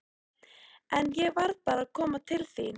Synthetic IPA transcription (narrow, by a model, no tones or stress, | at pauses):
ɛnjɛɣvaɾðpaːɾaðkʰɔːmat̪ʰɪlθi